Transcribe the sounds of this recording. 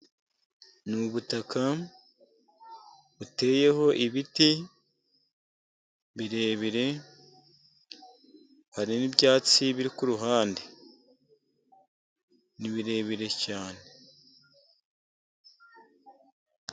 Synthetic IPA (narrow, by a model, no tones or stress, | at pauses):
nuβutaka | βute̞ːje̞ho̞ʔiβiti | βiɾe̞ːβiɾe̞ | haɾinibɟaːt͡siβiɾikuɾuɦaːnde | niβiɾe̞ːβiɾe̞caːne